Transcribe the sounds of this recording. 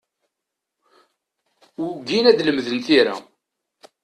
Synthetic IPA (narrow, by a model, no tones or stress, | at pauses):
ɡinæd̪ləmðənt̪iɾa̰